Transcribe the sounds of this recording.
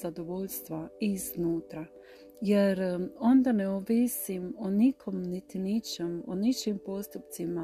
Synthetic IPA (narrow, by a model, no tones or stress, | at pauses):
zad̪oʋoʎst̪ʋaiznuːt̪ɾa | jeɾo̞nd̪aneoʋisimonikʰomnit̪init͡ʃemo̰nit͡ʃimpost̪upt̪sima